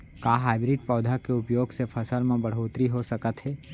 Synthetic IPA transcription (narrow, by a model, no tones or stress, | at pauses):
kaːɦaːɪbɾɪɖpɔːd̪ʱakeʊpjoːɡsepʰɐsəlmẽbəɽ̤ɦoːt̪ɾiɦosəkət̪ɦɛː